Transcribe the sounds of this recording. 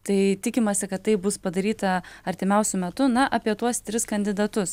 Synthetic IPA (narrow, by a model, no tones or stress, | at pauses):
t̪ɐɪt̪ʲɪkʲɪmɐsʲɪkɐt̪t̪ːɐɪbʊspɐd̪ɐɾʲiːt̪ɐɐɾʲt̪ʲɪmʲɛʊsʲʊmʲɛt̪ʊnɐʔɐpʲiɛt̪uɔst̪ʲɾʲɪskɐnʲd̪ʲɪd̪ɐt̪ʊs